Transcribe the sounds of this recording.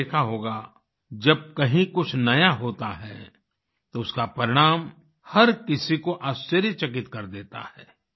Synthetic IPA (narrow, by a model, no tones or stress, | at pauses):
eːkʰaɦoːɡa | d͡ʒɐb̚kɐɦĩkʊt͡ʃʰnɐjaɦoːt̪aɦɛ̰ː | t̪oʊskapɐɾɪɽ̃aːm | hɐɾkɪsikoʔaːst͡ʃəɾjət͡ʃɐk̬ɪt̪kɐɾd̪eːt̪a̰hɛː